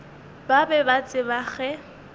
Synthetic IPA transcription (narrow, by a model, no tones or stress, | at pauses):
babɛbat͡sʼɪbaɣɛ